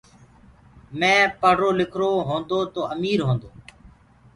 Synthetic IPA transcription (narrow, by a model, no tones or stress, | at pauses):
mɛ̃ːpəɾoːlɪkʰɾoːɦõːnd̪oːt̪oːʔəmiːɾɦõːnd̪oː